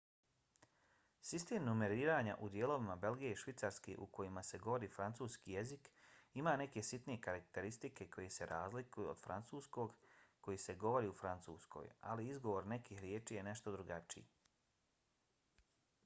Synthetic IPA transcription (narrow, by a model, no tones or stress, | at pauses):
sist̪eːmnume̞ɾiːɾaːɲa̰ʔud̪jeːlo̞ʋimabe̞lɡije̞iʃʋit̪saɾskḛʔuko̞jimase̞ɡo̞ʋo̞ɾiːfɾant̪suːskije̞zikimaːne̞ke̞sit̪nije̞kaɾakt̪e̞ɾist̪ike̞ko̞jese̞ɾʔaːzlikujuod̪fɾa̰nt̪suːsko̞ɡko̞jise̞ɡo̞ʋo̞ɾiːufɾant̪sṵːsko̰ja̰liizɡo̞ʋo̞ɾne̞kihɾjeːt͡ʃijene̞ʃt̪o̞d̪ɾuɡat͡ʃḭjḛ